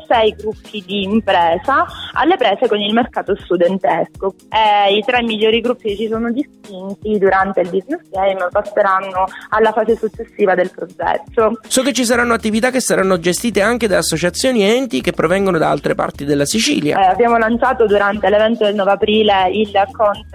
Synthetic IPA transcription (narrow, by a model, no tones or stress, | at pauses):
sɛjɡɾupːid̪iːmpɾɛːzaa̰lːepɾɛːzekonilmerkaːt̪ost̪ud̪ent̪esko | eit̪ɾɛmːiʎːoːɾiɡɾupːit͡ʃisoːnod̪ist̪int̪id̪uɾant̪eild̪iznesɛjməpasːeɾanːoalːafaːsesut͡ʃːesːiːvad̪elpɾod͡ʒɛ̰t̪ːosɔket͡ʃːis̬aɾanːoat̪ːivit̪akːesːaɾanːod͡ʒest̪iːt̪eaŋk̟ed̪aːsːot͡ʃat̪sːjoːniɛnt̪ikepːɾovɛŋɡonod̪aa̰lt̪ɾepa̰rt̪id̪elːasit͡ʃḭːlja̰abjaːmolant͡ʃaːt̪od̪uɾant̪elevɛnt̪od̪elnɔːveapɾiːleilkɔnt̪